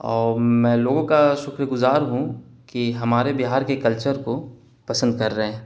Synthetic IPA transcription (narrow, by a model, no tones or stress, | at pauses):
ɔːɾmɛ̃ːloːɡõkaʃʊkɾɡʊzaːɾɦũ | kiɦɐmaːɾebɪɦaːɾkekɐlt͡ʃəɾko | pɐsə̃nd̪̚kɐɾːəɦẽː